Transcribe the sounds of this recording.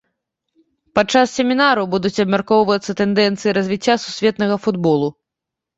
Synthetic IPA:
pat͡ʂasːʲɛmʲinaɾubud̪ut͡sʲɐbmʲarkɔwvɐt̪sːɐt̪ɛnd̪ɛnt̪sɨjiɾɐzʲvʲit͡sʲːasusʲvʲɛt̪nɐɣɐfud̪bɔlˠu

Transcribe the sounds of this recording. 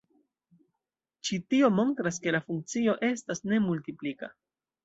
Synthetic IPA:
t͡ʃitio̞mo̞ntɾaske̞lafuŋk̚t͡sio̞ʔe̞stasne̞multiplika

